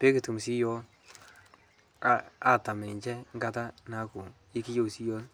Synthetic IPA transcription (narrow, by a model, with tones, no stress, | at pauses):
pe˦ki˨tu˨msi˦jɔ˦ | aa˨ta˨mɛ˨i˨t͡ʃɛ˦ŋɡa˦ta˦na˨˦ku˨ | i˦ki˦jo˦˨wsi˦jo˦l